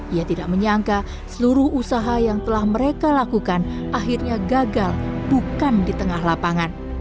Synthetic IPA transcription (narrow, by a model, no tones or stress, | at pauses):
ʔijat̪idaʔ̚məɲaŋka | səluɾʊhusaɦajaŋt̪əlahməɾekalakukanʔaɦirɲaɡaɡalbukandit̪əŋahlapaŋan